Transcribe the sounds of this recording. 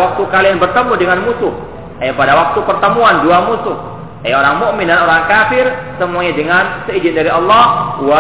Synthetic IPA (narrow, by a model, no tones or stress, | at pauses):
wak̚t̪ukalianbərt̪əmudəŋanmusʊh | ajapadawak̚t̪upərt̪əmuanduamusʊh | ajaoɾaŋmʊʔmindanoɾaŋkafɪrsəmuaɲadəŋansəid͡ʒɪndaɾiɑlːɑhwa